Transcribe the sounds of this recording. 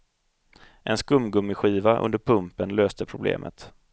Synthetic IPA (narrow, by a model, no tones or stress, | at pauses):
ʔɛnskɵmːɡɵmːɪɧiːvaʔɵ̰nd̪əɾpʰɵmpənløːst̪əpʰɾʊblḛːmʔə̰t̪